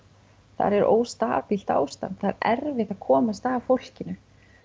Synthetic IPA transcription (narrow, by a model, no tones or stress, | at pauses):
θa̰ɾɛɾʔo̰ːwst̪aːpil̥t̪a̰ːwst̪a̰nt̪θaɾɛɾvɪht̪aðkʰɔːmast̪aːvfowr̥cɪnʏ